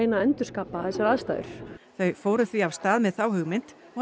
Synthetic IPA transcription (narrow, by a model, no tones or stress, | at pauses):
ejnaɛnt̪ʏɾ̥skaːpaθɛsːaɾaðst̪a̰ːʏ̰ɾ̥θœɥfoːwɾʏθviawst̪aːðmɛðθaːwhʏɣmɪnt̪ | ɔ